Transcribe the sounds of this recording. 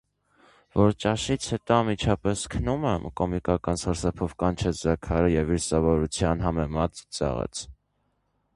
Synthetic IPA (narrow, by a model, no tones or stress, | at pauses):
vɔɾt͡ʃɑʃit͡sʰhɛt̪ɔɑmit͡ʃʰɑpɛskʰənumɛmkɔmikɑkɑnsɑɾsɑpʰɔvkɑnt͡ʃʰɛd͡zɑkʰɑɾəjɛviɾsɑvɔɾut͡sʰjɑnɦɑmɛmɑt̪t͡sɑ̰ʁɛ̰t͡sʰ